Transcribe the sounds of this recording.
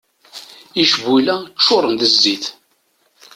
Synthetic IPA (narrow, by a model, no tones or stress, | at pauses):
iʃvːilæt͡ʃːʊɾˤənd̪əzːiθ